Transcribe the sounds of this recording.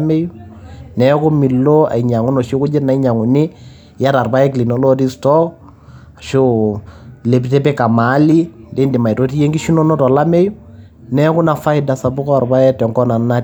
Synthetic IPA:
me˦ju˦nɛ˨˦kʊ˦mi˨lːo˦a̰˨i˨ɲa˨ŋu˦no˨ʃo˦kʊ˦d͡ʒɪ˦na˨i˦ɲa˨ŋu˨nɪ˦ | ja˦ɾa˨rba˦jɛ˦k̬li˨no˨˦lɔ˦di˦stɔ˦k | a˨ʃo˦ | le˨bi˨tɛ˦pɛ˦ka˨ma˨˦li˦nde˦ndi˨ma˨i˨to˦ti˦je˦ŋɡi˦ʃu˦no˦nɔ˦tɔ˨la˦me˦ju˦ | nɛ˦kʊ˦na˨fa˦ɪ˨da˨sa˨bʊ˦kɔ˦˨rba˦jɛ˦tɛ˨ŋkɔ˦na˨n˦na˦

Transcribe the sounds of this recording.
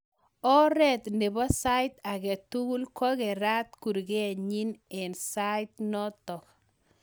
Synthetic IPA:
ɔ˦ɾɛ˦˨t̪ne˨bɔ˦sa˦jt̪a˨ɡɛ˨t̪u˦ɡu˦lkɔ˦ɡe˨ɾa˦t̪̚ku˨ɾɡe˦˨ɲi˦ne˨nsa˦jt̪̚nɔ˦t̪ɔ˨k

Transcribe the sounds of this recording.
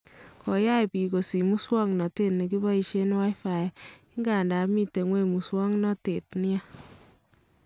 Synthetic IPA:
kɔ˨ja˦jpi˨ko˨si˨mu˦swɔ˦ŋnɔ˨te˦tni˨ki˦bɔ˦i˨ʃe˦n˦wa˦jfa˨ja˨ɪ˦ŋɡa˨nda˨mi˦te˨ŋwe˦˨mu˨swɔ˦ŋnɔ˦te˨tnɪ˦a˦

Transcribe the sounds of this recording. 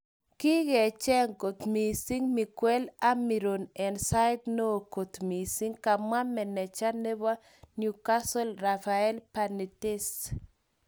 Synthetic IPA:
ki˦ɡɛ˨t͡ʃɛ˦ŋko˨t̪mi˨si˦ŋmi˨kwɛ˦la˦mi˨ɾo˨nɛ˨nsa˦ɪ˦d̪noː˦˨ko˨t̪mi˨si˦ŋka˨ma˦mːɛ˨nɛ˨t͡ʃa˦nɛ˦ba˦ | nju˨ka˦sɔ˦lra˨fa˨ɛ˦lpa˨ni˨tɪ˦s

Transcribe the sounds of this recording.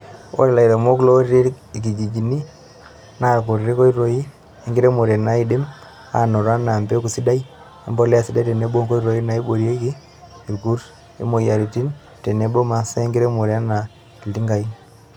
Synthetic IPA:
o̰˦ɾe˨la˨i˨ɾa˨mo˦klo˦ɾɾe˦ | i˨k̬i˨d͡ʒi˨d͡ʒi˨ni˦ | na˨ko˨ɾe˦ko˦i˦ɾo˨ji˦ | e˦ŋɡi˦ɾe˦mo˨ɾe˨na˨˦i˨de˦m | a̰˨no˨ɾa˦na˨mbe˦ku˨si˦da˦i˦ | e˦mbɔ˦li˦a˨si˦da˦te˨ne˨˦bo˦ŋko˦i˦ɾo˨i˦na˨i˦bo˨ɾje˦ki˦ | i˨ɾku˦ɾ | ḭ˦mo˨ja˨ɾi˨ti˦n | te˨ne˨bo˦ma˨se˦ŋɡɪ˦ɾe˦mo˨ɾe˨˦a˦na˨ | i˨lti˦ŋɡa˨i˦

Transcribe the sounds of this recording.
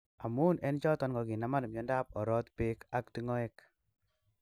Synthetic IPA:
a˨mu˦nɛ˦nt͡ʃɔ˦tɔ˦nɡɔ˨ki˨na˨ma˦n˨mjɔ˦nda˦p̚ɔ˨ɾɔ˦tpe˦ka˨kti˦ŋɔ˦e˦k

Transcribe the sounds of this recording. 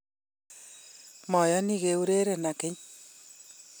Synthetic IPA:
mɔ˨jɔ˦ni˦ɡe˨u˦ɾe˦ɾe˨na˨kɪ˦ɲ

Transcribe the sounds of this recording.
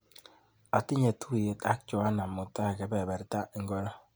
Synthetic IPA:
a˨ti˦ɲɛ˨tʰu˦˨je˨˦ta˦k̚t͡ʃɔ˨a˦na˨mo˨ta˦˨kɛ˨˦bɛ˨bɛ˨ɾta˦ʔi˨˦ŋɡɔ˦la˦

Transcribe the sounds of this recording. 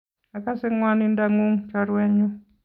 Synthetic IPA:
a˨ka˦sɪ˦ŋwa˦nɪ˦nda˦ŋu˦ŋt͡ʃɔɾwɛ˦ɲɔ˦

